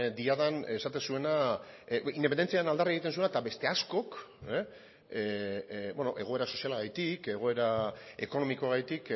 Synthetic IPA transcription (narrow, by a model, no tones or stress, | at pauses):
d̪iaðane̞sat̪e̞nsue̞na | ind̪epend̪ent͡siaɾenald̪arieɣit̪ens̬uenat̪abe̞st̪e̞asko̞k | beno̞ʔe̞ɣo̞e̞ɾaso̞sialaɣajt̪ike̞ɣ̞o̞e̞ɾae̞ko̞no̞mikoaɣajt̪ik